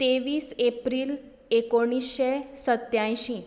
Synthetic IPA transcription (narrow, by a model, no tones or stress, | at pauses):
t̪eʋiːsepɾiːl | ekoɽ̃isɕesət̪jãj̃ɕĩ